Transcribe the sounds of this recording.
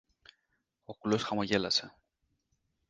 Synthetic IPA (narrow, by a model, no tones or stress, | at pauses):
okulo̞sxɐmoʝe̞lɐse̞